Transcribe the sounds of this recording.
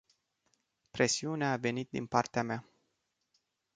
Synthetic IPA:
pɾe̞siuneaːve̞nit̪̚d̪ḭnpart̪eama

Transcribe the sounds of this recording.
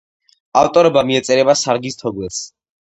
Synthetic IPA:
aft̪ʼɔɾɔbamiɛt̪sʼɛɾɛbasaɾɡist̪ʰɔɡlɛls

